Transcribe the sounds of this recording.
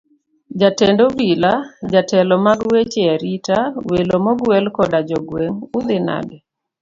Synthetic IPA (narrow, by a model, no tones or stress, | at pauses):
d͡ʒatɛndobilad͡ʒatɛlɔmaɡwet͡ʃeaɾitawelomɔɡwɛlkɔdad͡ʒɔɡweŋud̪ɪna̰bɛ